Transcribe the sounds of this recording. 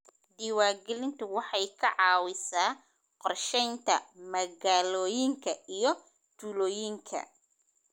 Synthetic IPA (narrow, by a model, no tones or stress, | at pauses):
ɖiwaːɡɛlɪnt̪ʰʊwɑħɑjkʰɐʕɑːwɪsaː | qɔrʃɛjnt̪ʰɐmɐɣaːlɔːjɪŋkʰɐʔijɞ | t̪ʰuːlɔːjɪŋkʰɐ̰